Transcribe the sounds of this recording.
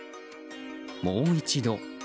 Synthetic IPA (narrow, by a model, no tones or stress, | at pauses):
moːit͡ɕid̪o̞